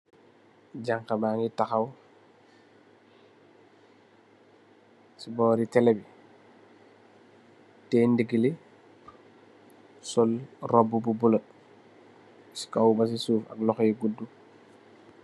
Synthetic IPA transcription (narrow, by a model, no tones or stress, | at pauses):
d͡ʒaŋkabaːŋitaxaw | sibɔːɾitɛlɛbi | tɛːndiɡili | sɔlrɔbːububulɔt̚ | si̥kawbɐs̬isuːfɐ̰klɔxjɡudːu